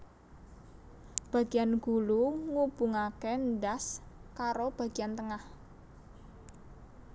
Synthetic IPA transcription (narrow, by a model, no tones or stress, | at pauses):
b̥ä̤ɡ̥i̤janɡ̥ṳluŋub̥uŋakenɖaskaɾob̥ä̤ɡ̥iant̪əŋah